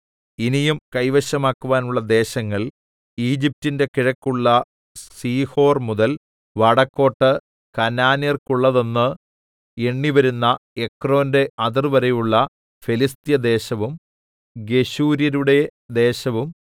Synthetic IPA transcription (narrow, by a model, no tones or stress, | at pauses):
inijumkɐjʋɐɕɐmaːkːuʋaːnuɭːɐd̪e̞ːɕɐŋːɐɭ | iːd͡ʑip̚tinde̞kiɻɐkːuɭːɐ | siːho̞ːrmuðɐl | ʋɐɽɐkːo̞ːʈːɨ | kɐnaːnjɐrkuɭːɐðo̞nːɨ | eɳːiʋɐɾunːɐe̞kro̞ːnde̞ʔɐðirʋɐɾɐjuɭːɐ | filist̪ijɐd̪e̞ːɕɐʋum | ɡe̞ɕuːɾjɐɾuɽe̞d̪e̞ːɕɐʋum